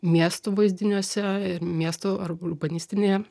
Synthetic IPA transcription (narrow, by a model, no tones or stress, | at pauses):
mʲiɛst̪uːʋɐɪzʲd̪ʲɪnʲuɔsʲɛɪɾmʲiɛst̪oɐɾlubɐnʲɪsʲt̪ʲɪnʲeːjɛ